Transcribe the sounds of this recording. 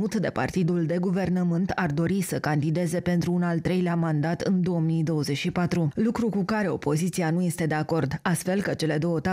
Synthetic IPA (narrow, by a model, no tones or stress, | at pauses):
ut̪d̪e̞̰pa̰rt̪id̪uld̪e̞ɡuve̞rnəmɨnt̪ʰard̪o̞ɾisəkand̪id̪e̞ze̞pe̞nt̪ɾuːnalt̪ɾe̞jleamand̪at̪ɨ̰nd̪o̞omid̪o̞wəze̞t͡ʃʲʃipat̪ɾulukɾukukaɾe̞o̞po̞zit̪sianuje̞st̪e̞d̪e̞ako̞rd̪ast̪fe̞lkət͡ʃe̞le̞d̪o̞wət̪a